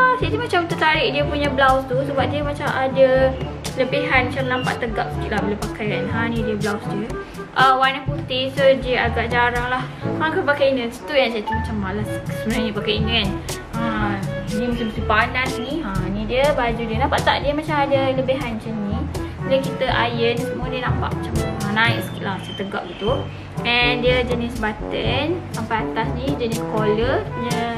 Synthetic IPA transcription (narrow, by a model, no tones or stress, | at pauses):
əmsat̪imat͡ʃamt̪ət̪aɾɪʔdiəpuɲablawst̪usəbap̚diəmat͡ʃamʔada | ləbiɦanmt͡ʃamlampa̰ʔt̪əɡaʔ̚sə̥kiʔlahbəlapakajanɦãnĩdiəblawsdiə | ʔəwanaput̪isədiəaɡaʔd͡ʒaɾaŋlahmakapakajinə̃sə̥t̪ujansat̪imat͡ʃamːalassəbənaɲəpakajinikan | ədiəmət͡ʃamət̪ipanasniənidiəbad͡ʒudiənampaʔt̪aʔdiəmat͡ʃamadələbeɦanat͡ʃamniləkit̪əʔajənsəmuadiənampa̰ʔmat͡ʃamənaik̚sə̥kiʔ̪lahsət̪əɡa̰ʔ̚ɡit̪u | ʔɛndiəd͡ʒənisbat̪ənsampaat̪asnid͡ʒəniskolədiə